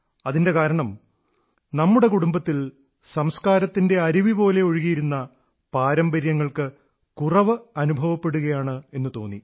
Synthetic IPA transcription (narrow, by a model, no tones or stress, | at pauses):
ɐðinde̞kaːɾɐɳɐm | nɐmːuɽe̞kuɽumbɐt̪ːil | sɐmskaːɾɐt̪ːinde̞ɐɾiʋipo̞ːle̞o̞ɻiɣijiɾunːɐ | paːɾɐmbɐɾjɐŋːɐɭkɨ | kurɐʋɨɐnubʱɐʋɐpːe̞ɽuɣɐjaːɳɨe̞nːɨt̪o̞ːnːi